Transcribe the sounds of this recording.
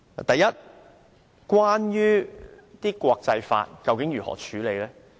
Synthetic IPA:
a̰˨t̪ɐ˨jɐ˦˥t̚ | kwaː˥njyː˥t̪iː˥kʷɔː˧k̚t͡sɐ˧jfa̰ː˧t̚kɐ˧wkɪ˨˥ŋjyː˨˩hɔ̰ː˨˩t͡ʃʰyː˨˧˥le˨˧jlɛː˥

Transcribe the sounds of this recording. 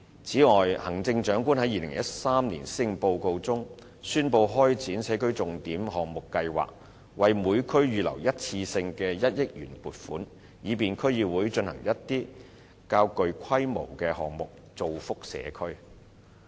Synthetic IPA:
t͡sʰiː˨˥ŋɔː˨jhɐ˨˩ŋt͡sɪ˧ŋt͡ʃœː˨˥ŋkuː˥nhɐ˨˥jiː˨˧lɪ̰˨˩ŋjɐ˥t̚saː˥mniː˨˩nsɪ˧ŋpo˧wko˧wt͡sʊ˥ŋ | syː˥npo˧wɦɔː˥jt͡sʰiː˨˥nsɛː˨˥kɵ˥ɥt͡sʊ˨ŋt̪iː˨˥mɦɔː˨ŋmʊ˨kːɐ˧jwa̰ː˨˩k̚ | wɐ˨jmuː˨˧jkʰɵ˥ɥɥyː˨lɐ̰˨˩wjɐ˥t̚t͡sʰiː˧sɪ˧ŋkɛː˧jɐ˥t̚jɪ˥k̚jy̰ː˨˩npuː˨t̚fuː˨˥n | jiː˨˧p̬iː˨nkʰɵ˥ɥjiː˧wuː˨˧jt͡ʃɵ˧nhɐ̰˨˩ŋjɐ˥t̚t̪iː˥ | kaː˧wkɵ˨˧ɥkʰɐ˥jmo˨˩wkɛː˧hɔ̰ː˨ŋmʊ˨k̚ | t͡so˨wfʊ˥k̚sɛ̰ː˨˧kʰɵ˥ɥ

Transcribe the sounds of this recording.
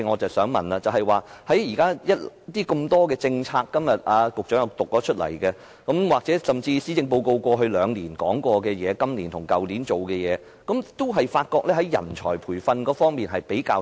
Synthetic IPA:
ŋɔː˨˧t͡sɐ˨wsœː˨˥ŋmɐ̰˨˩nlaː˧t͡sɐ˨wɦɐ˨jwaː˨hɐ˨˥jjiː˨˩kaː˥jɐ˥t̚t̪iː˥kɵ˧mt̪ɔː˥kɛː˧t͡sɪ˧ŋt͡sʰaː˧kːɐ˥mjɐ˨t̚ʔaː˨˧kʊ˨k̚t͡ʃœː˨˥jɐ˨˧wt̪ʊ˨k̚ːɔː˨˥t͡ʃʰɵ˥t̚lɐ̰˨˩jkɛ˧ | kɐ˨˥mwaː˨k̚t͡sɛː˨˥sɐ˨˩mt͡siː˧siː˨˥t͡sɪ˧ŋpo˧wko˧wkʷɔː˧ɦɵ˧lœː˨˧ŋliː˨˩nkɔ̰ː˨˥ŋkʷɔː˧kɛː˧jɛː˨˧kɐ˥mliː˨˩nt̪ʰʊ˨˩ŋkɐ˨wliː˨˥nt͡so˨wkɛː˧jɛː˨˧ | kɐ˨˦mt̪o˥wɦɐ˨jfaː˧t̚kɔː˧k̚lɛː˥ɦɐ˨˦jːɐ̰˨˩nt͡ʃʰɔ̰ː˨˩jpʰuː˨˩jfɐ˧nkɔː˨˥fɔː˥ŋmiː˨nɦɐ˨jpe˨˥jkaː˧w

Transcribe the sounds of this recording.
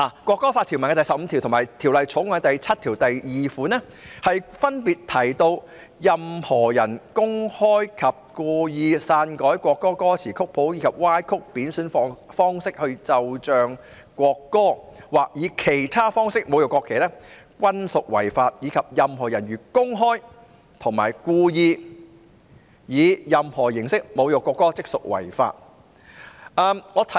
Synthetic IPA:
laː˨˩kʷwɔː˧kːɔː˥faː˧t̪̚ʰi˨˩wmɐ˨˩kɛː˥t̪ɐ˨˩sɐ˨p̚m̩˨˧t̪ʰi˨wt̪ʰmaː˨˩jt̪ʰiː˨˩wlɐ˨jt͡sʰʊ˨˥ŋɔː˨˧˥t̪ɐ˨jt͡sʰɐ˥t̚t̪ʰiː˨˩wt̪ɐ˨jjiː˨fuː˨˥nɛː˥ | hɐ˨jfɐ˥npiː˨t̚t̪ʰɐ˨˩jt̪o˧w | jɐ˨mhɔː˨˩jɐ˨˩nkʊ˥ŋhɔː˥jkʰɐ˨p̚kɔː˧jiː˨˧saː˧nkɔː˨˥jkʷɔː˧kːɔː˥kːɔː˥t͡sʰiː˨˩kʰʊ˥k̚pʰo˨˥wjiː˨˧kʰɐ˨p̚waː˥jkʰʊ˥k̚piː˨˥nsyː˨˥nfɔː˧ŋfɔː˥ŋsɪ˥k̚hɵ˧ɥt͡sɐ˨wt͡ʃœː˨˧ŋ | kʷɔː˧kːɔː˥waː˨k̚jiː˨˧kʰe˨˩jt̪ʰaː˥fɔː˥ŋsɪ˥k̚mo˨˧wjo˨˩kʷɔː˧kʰːe˨˩lɛː˥kʷɐ˥nsʊ˨k̚wɐ̰˨˩jfaː˧t̚jiː˨˧kʰɐ˨p̚jɐ˨mhɔː˨˩jɐ˨˩njyː˨kʊ˥ŋɦɔː˥j | t̪ʰʊ˨˩ŋmaː˨˩jkuː˧jiː˧ | jiː˨˧jɐ˨mhɔː˨˩jɪ˨˩ŋsɪ˥k̚mo˨˧wjo˨˩kʷːɔː˧kːɔː˥t͡sɪ˥k̚sʊ˨k̚wɐ̰˨˩jfa̰ː˧t̚ | ʔɐː˧mŋɔː˨˧t̪ʰ

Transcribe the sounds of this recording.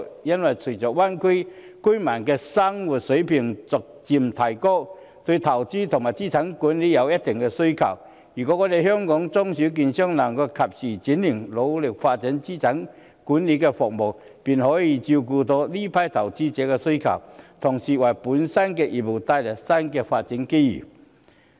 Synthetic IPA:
ja˥nwa˨jt͡sʰu˨˩t͡ɕɔ˨˩wa˥nkʰi˥˦ | kʰu˥jma˨˩nkɛ˧sa˥ŋwʊ˨˩t̚so˨˧˥jpʰi˨˩ŋt͡sɔ˨˩k̚t͡ɕi˧mt̪ʰa˨˩jkɔ˥˩ | t̪wi˧t̪ʰa˨˩wt͡ɕi˦˥t̪ʰʊ˨˩ŋma˨˩jt͡ɕi˥˩t͡sʰa˨˥˦ŋku˨˦nli˨˦ja˨˧wja˦˥t̚t̪ɛ˨˩ŋkɛ˧su˥kʰa̰˨˩w | i˨˩kɔ˨˧˦kɔ˧d̪e˨˧hjɔ˥ŋkɔ˨˥ŋt͡sɔ˥ŋsu˧˦k̬i˧nɕjɔ˥ŋna˨˩ŋkɛ˧kʰa˨p̚si˨˩t͡ɕi˨˦nli˨˩ŋlo˨˧wlɪ˨˩k̚fa˧t̚t͡si˨˦nt͡ɕi˥˩t͡sʰa˨˦ŋ | ku˨˦nli˨˥kɛ˧fɔ˨k̚mo˨˩w | pi˨nhɔ˨˧˥ji˧t͡ɕi˧k̬u˧t̪ɔ˧li˥˦pʰa˧˩jt̪ʰa˨˩wt͡ɕi˥t͡ɕɛː˨˦kɛ˧su˥kʰa̰˨˩wt̪ʰʊ˨˩ŋsi˨wa˨˩jpu˨˦nsa˥nkɛ˧ʔi˧˨˩p̚u˨˩t̪a˧jlɛ˨˩sa˥nkɛ˧fa˧t̚t͡ɕi˨˧˦nki˥jḭ˨˩

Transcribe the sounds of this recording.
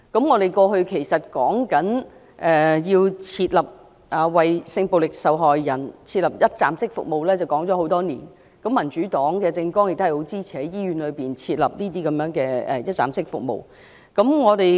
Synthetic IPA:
kɐ˨˥mŋɔː˨˧ɾe˨jkɔː˧ɦɵ˧ɥkʰe˨˩jsɐ˨t̚kɔː˨˥ŋkɐ˨˥n | ʔɛː˨jiː˧wt͡sʰiː˧t̚lɐ˨p̚ | ʔɐː˨wɐ˨˩jsɪ˧ŋpo˨wlɪ˨k̚sɐ˨wɦɔː˨jːɐ˨˩nt͡sʰiː˧t̚lɐ˨˩p̚jɐ˥t̚t͡sa̰ː˨msɪ˥k̚fʊ̰˨k̚mo˨wlɛː˥t͡sɐ˨˩wkɔː˨˥ŋt͡sɔː˨˥ho˨˥wt̪ɔː˥niː˨˩n | kɐ˨˥mːɐ˨˩nt͡ʃyː˨˥t̪ɔː˨˥ŋkɛː˧t͡sɪ˧ŋkɔː˥ŋjɪ˨˩k̚t̪o˥hho˨˥wt͡siː˥t͡sʰiː˨˩hɐ˨˥jjiː˥ɥyː˨˥nlɵ˨˧ɥpiː˨nt͡sʰiː˧t̚lɐ˨p̚niː˥t̪iː˥kɐ˨˦mjœː˨˧˥ŋkɛː˧ɛ̰˨jɐ˥t̚t͡sa̰ː˨msɪ˥k̚fʊ̰˨k̚mo̰˨w | kɐ˨˥mŋɔː˨˧t̪e˨

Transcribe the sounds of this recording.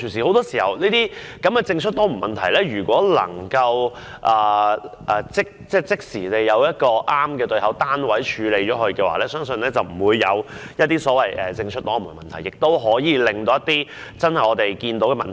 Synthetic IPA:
t͡ʃʰyː˨˩ns̬iː˨˩o˨˥wt̪ɔː˥siː˨˩hɐ˨˩wniː˥t̪iː˥ | kɐ˨˥mkɛ˧t͡sɪ˧ŋt͡ʃʰɵ˥t̚t̪ɔː˥m̩˨˩mɐ˨nt̪ʰɐ˨˩jlɛː˥ɥyː˨˩kʷɔː˨˥lɐ̰˨˩ŋkɐ˧w | ʔɐː˨˩ʔɛː˨t͡sɪ˥k̚t͡sɛː˥t͡sɪ˥k̚siː˨˩t̪e˨jːɐ˨˧wjɐ˥t̚kɔː˧ʔaː˥mkɛː˧t̪ɵ˧ɥhɐ˨˥wt̪aː˥nwɐ˨˥jt͡ʃʰyː˨˧le˨˧jt͡ʃɔː˨˥ɦɵ˧ɥkɛː˧wa̰ː˨lɛː˥sœː˥ŋsɵ˧nlɛː˥t͡sɐ˨wm̩˨˩wuː˨˧jːɐ̰˨˧wjɐ˥t̚t̪ːiː˥sɔː˨˥wɐ˨jʔɛ̰ː˨t͡sɪ˧ŋt͡ʃʰt̚t̪ɔː˨˥m̩˨˩mɐ˨nt̪ʰɐ˨˩jːɪ˨k̚t̪o˥wɦɔː˨˥jiː˨˧lɪ˨ŋt̪o˧˥jɐ˥t̪iː˥t͡sɐ˥nhɐ˨jɔː˨˧t̪e˨jkiː˧nt̪o˨˥wkɛ˧mɐ˨nt̪ʰ

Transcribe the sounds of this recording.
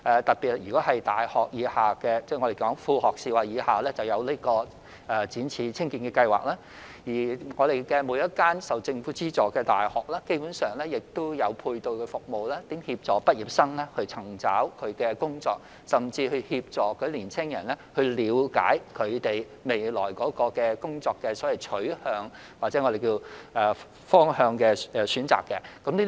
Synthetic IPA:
ʔɛː˨t̪ɐ˨t̚piː˨t̚jyː˨˩kɔː˨˥ɦɐ˨˩jt̪aː˨˩jhɔː˨˩k̚jiː˨˧˥haː˨˩kɛː˧t͡sɛ˥ŋɔː˨˧ɾe˨jkɔː˨˥ŋfuː˧hɔː˨˩k̚siː˧waː˨˩jiː˨˧˥haː˨lɛː˥t͡sɐ˨wjɐ˨˧wliː˥kɔː˧ | ʔɛː˨˧t͡siː˨˥nt͡sʰiː˧t͡sʰɪ˥ŋkiː˧nkɛ˧kɐ˧jwa̰ː˨˩k̚laː˥ | jiː˨˩ŋɔː˨˧ɾe˨˩jkɛː˧muː˨˧˥jɐ˥t̚kaː˥nsɐ˨wt͡sɪ˧ŋfuː˨˥t͡siː˥t͡sɔː˨kɛː˧t̪a̰ː˨jhɔː˨˩k̚lɛː˥ke˥jpuː˨˧˥nsœː˨ŋlɛː˥jɪ˨k̚t̪ʊ˥wjɐ˨˧wpʰuː˧jt̪o˧wkʰfʊ˨k̚mo˨wlɛː˥t̪iː˨˥mhiː˧p̚t͡sɔː˨pɐ˥t̚ji˨p̚sɐ˥ŋlɛː˥hɵ˧ɥt͡sʰɐ˨˩ŋt͡sa̰ː˨˥wkʰɵ˨˧ɥkɛː˧kʊ˥ŋt͡sɔː˧k̚ | sɐ˨mt͡siː˧hɵ˧ɥhiː˧p̚t͡sɔː˨˩kʰɵ˨˥liː˨˩nt͡sʰɪ˥ŋjɐ̰˨˩nlɛ˥hɵ˧ɥliː˨˧wka̰ː˨˥jkʰɵ˨˧ɥt̪e˨j | me˨jlɔ̰ː˨˩jkɔː˨˥kɔː˧kɛː˧kʊ˥ŋt͡sɔː˧kːɛː˧sɔː˨˥wɐ˨˩jt͡ʃʰɵ˨˥ɥhœː˧ŋ | waː˨˩t͡sɛː˨˥ŋɔ˨˧ɾe˨˩jkiː˧wʔɛː˨ | fɔː˥ŋhœː˧ŋkɛː˧ɛː˨˧syː˨˥nt͡sa̰ː˨kːɛ˧kɐ˨˥mnliː˥

